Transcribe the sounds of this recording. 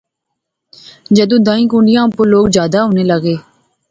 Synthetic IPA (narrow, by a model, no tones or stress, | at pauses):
d͡ʒəd̪ũːd̪ãːĩːkũːɳɖɪjãːpoɾloːkd͡ʒjaːd̪aːɦõːneːləɡeː